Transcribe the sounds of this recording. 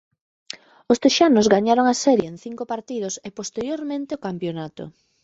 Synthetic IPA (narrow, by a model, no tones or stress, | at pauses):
ost̪eʃanʊzɣaɲaɾoŋasɛɾjeenθiŋkopaɾt̪iðosepost̪eɾjoɾmẽnt̪eokampjonat̪ʊ̰